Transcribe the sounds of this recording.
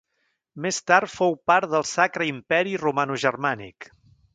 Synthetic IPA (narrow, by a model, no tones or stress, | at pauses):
mest̪aɾt̪fowpaɾðəlˠsakɾəimpɛɾirumanuʒərmanḭk